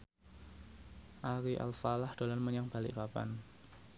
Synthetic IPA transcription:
ʔaɾiʔa̰lsalahd̪̥o̤lanməɲaŋb̥alɪ̰ʔpapa̰n

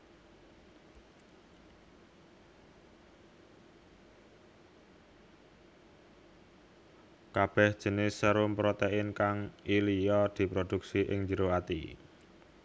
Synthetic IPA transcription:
kab̥ɛhd̥ʒ̥ə̤nɪsːəɾʊmpɾot̪eɪnkaŋilijɔd̪̥i̤pɾod̪̥ṳksiʔɪ̰ŋɲd͡ʒəɾoat̪ḭ

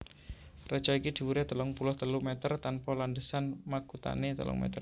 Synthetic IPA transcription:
rət͡ʃaikid̪̥i̤wuɾet̪əlɔŋpulʊht̪əlumɛt̪ərt̪anpɔlandəsanmakut̪a̰net̪ə̰lʊ̰ŋmɛ̰t̪ər

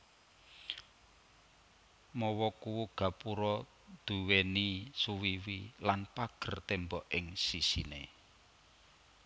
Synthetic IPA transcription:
mɔwɔkuwuɡ̥a̤puɾɔ | d̪̥ṳwenisuwiwilanpaɡ̥ə̤rt̪embɔʔɪŋsisinḛ

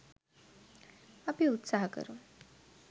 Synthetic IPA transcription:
apiut̪saɦkə̰ɾu

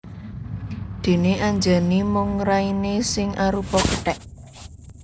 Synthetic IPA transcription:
d̪̥e̤neʔaɲd͡ʒa̤nimʊŋɾainesɪŋʔaɾupɔkəʈɛʔ

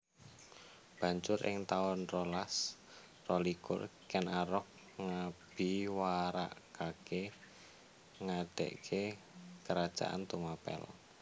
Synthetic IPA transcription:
b̥ä̤ɲt͡ʃʊɾʔɪ̰ŋt̪aʊnrɔlas | rɔlikʊ̰rkɛnʔaɾɔk̚ | ŋab̥i̤waɾa̰ʔkake | ŋad̥ḛʔkʰe | kəɾad̥ʒ̥a̰ʔa̰nt̪umapɛ̰l

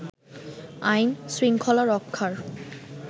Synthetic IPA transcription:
ajnsɾiŋkʰɔlaɾɔkʰːaɾ

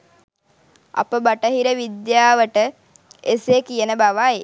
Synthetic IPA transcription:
a̰pəbaʈəɦiɾəʋid̪jaːʋəʈə | esekijənəbaʋaje

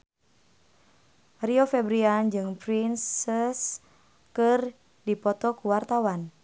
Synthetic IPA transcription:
riofɛbɾiand͡ʒɨŋpɾinsɛs | kɨr | dipɔt̪ɔkuwart̪awan

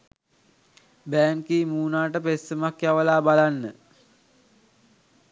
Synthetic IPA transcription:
bæːŋkiːmuːnaːʈəpesːəmakjaʋəlaːbalanːə

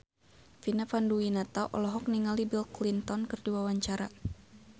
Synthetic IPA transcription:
finafanduinat̪aʔɔ̰lɔɦɔk̚niŋalibilklint̪ɔnkɨrdiawaɲt͡ʃaɾa

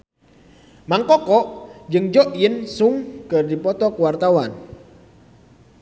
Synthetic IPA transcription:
maŋkɔkɔʔd͡ʒɨŋd͡ʒɔʔjənsuŋkɨrdipɔt̪ɔkəwart̪awan

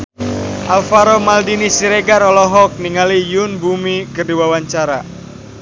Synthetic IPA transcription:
ʔalfaɾɔmaldinisiɾeɡaɾɔlɔɦɔk̚niŋalijʊnbumikərdiwawaɲt͡ʃaɾa

